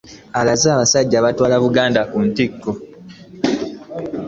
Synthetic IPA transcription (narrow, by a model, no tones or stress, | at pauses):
alazaːβasaɟːaːβatwaːlaβuɡaːndakuntikːo